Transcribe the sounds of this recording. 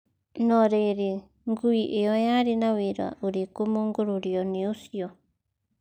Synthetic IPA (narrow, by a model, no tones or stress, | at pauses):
nõɾeɾi | ŋɡuiʔeojãɾinãwiɾua̰uɾikumũŋɡuɾuɾionĩusio